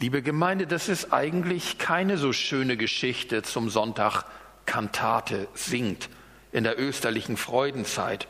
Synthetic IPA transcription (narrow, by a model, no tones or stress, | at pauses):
liːbəɡəmaɪndədasɪstʔa̰ɪɡŋ̩tlɪçkʰaɪnəzoːʃøːnəɡəʃɪçtət͡sʊmzɔntʰaχ | kʰantʰa̰ːtʰəz̥ɪŋt | ʔɪndeːɐʔøːstɐlɪçn̩fʁ̥ɔʏdn̩t͡sa̰ɪt